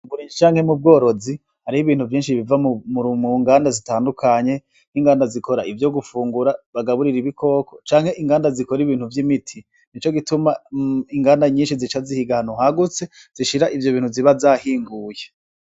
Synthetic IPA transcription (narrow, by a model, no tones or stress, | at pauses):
vuɾiːd͡ʒit͡ʃaːŋ̥he̞mub̚ɡo̞ːɾo̞zi | haɾihiβiːn̥huvjiːnʃiβivamuɾumuŋɡaːndazitaːndukʰaɲe̞ | n̥iŋɡaːndaziko̞ɾaivjo̞ɡufuːŋɡuɾaβaɡaβuɾiɾiβikʰo̞ːkʰo̞t͡ʃaːŋhe̞ʔiŋɡaːndazikoɾiβiːnhuvjimitʰi | nit͡ʃo̞ɡitumaiŋɡaːndaɲiːnʃizit͡ʃazihiɡahanuhaɡut͡se̞z̥iʃiɾaʔivjoβiːnhuziβazaːhiːŋɡuːje̞